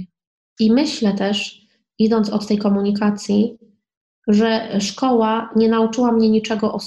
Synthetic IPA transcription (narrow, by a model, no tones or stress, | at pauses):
imɘɕlɛt̪ɛʂ | id̪ɔnt̪sɔt̪ːɛjkɔmuɲikat̪sʲji | ʐɛʂkɔwaɲɛnaut͡ʂɘwamɲɛɲit͡ʂɛɡɔʔɔ